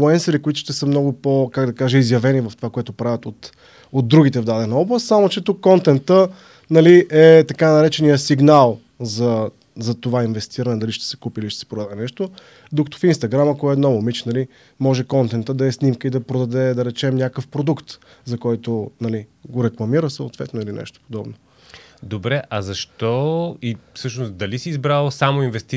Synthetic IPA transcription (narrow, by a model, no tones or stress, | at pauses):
lˠɛnsəɾikoit̪ʊ̥ʃt̪ɛsəmnɔɡʊpokaɡd̪ɐkaʒɛizjɐvɛnivɐft̪ovakoɛt̪ʊpɾavʲət̪ot̪ | od̪̚ɾuɡ̟it̪̬ɛvd̪ad̪ɛnəɔblˠəst̪samot͡ʃɛt̪ukːɔnt̪ɛnt̪ə | nɐliɛt̪ɐkanɐɾɛt͡ʃɛnijəsiɡnalˠ | zɐ | zɐt̪ovainvɛst̪iɾənɛd̪ɐliʃt̪ɛ̥sɛ̥kupiiliʃt̪ɛ̥sɛ̥pɾod̪ad̪ɛnɛʃt̪o | d̪ʊkə̥t̪o̥finst̪ɐɡɾaməkɔɛɛnɔvʊmit͡ʃnɐli | mɔʒɛkɔnt̪ɛnt̪əd̪ɐɛsnimkəid̪ɐpɾod̪ɐd̪ɛd̪ɐɾɛt͡ʃɛmnʲakəfpɾod̪ukt̪ | zɐkɔjt̪onɐliɡoɾɛklˠɐmiɾəsəʊt̪vɛ̰t̪noilinɛ̰ʃt̪o̥pod̪ɔbno | d̪obɾɛʔɐzɐʃt̪ɔifsɤʃnosd̪ɐlisiːzbɾalˠsamoinvɛst̪i